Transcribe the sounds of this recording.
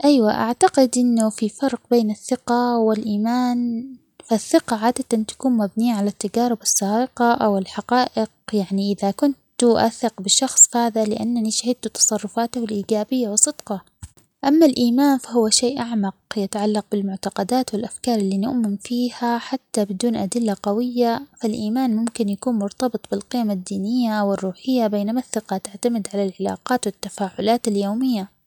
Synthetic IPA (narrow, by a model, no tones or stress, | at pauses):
ʔajwaʔa̰ʕt̪aqɪd̪ʔɪnːʊfifɑɾˤqbeːnɪθːɪqawɪlʔiːmaːn | faθːɪqɑʕaːd̪at̪ant̪ḁkuːnmabniːaʕalat̪ːad͡ʒaːɾɪbɑsˤːɑːɪqɑʔawɪlħaqɑːʔɪq̚jaʕniʔɪðakʊnt̪ʊʔaθɪqbɪʃɑxsˤfhaːðalɪʔanːaniʃahɪd̪̚t̪ut̪ɑ̥sˤɑrˤːʊfaːt̪ʊɪlʔiːɡaːbɪjːawɪsˤːɨd̪̥qɑ | ʔamːalʔiːmaːnfaɦʊwːaʃeːʔaʕmɑq̚jɪt̪aʕalːɑq̚bɪlmʊʕt̪ɑqɑd̪aːt̪wɪlʔafkɑːɾˤɪlːiːnʊ̰ʔmɪmfiːhaħat̪ːabɪd̪uːnʔad̪ɪlːaqɑwɪjːafalʔiːmaːnmʊmkɪnjakuːnmʊɾt̪ɑbɨt̪ˤbɪlqɪːmad̪ːiːnɪjːawɪrːuːħɪjːabeːnamaθːɪqɑt̪aʕt̪amɪd̪ʕalalʕalɑ̰ːqɑːt̪wɪt̪ːafaːʕʊlaːt̪aljoːmɪjːa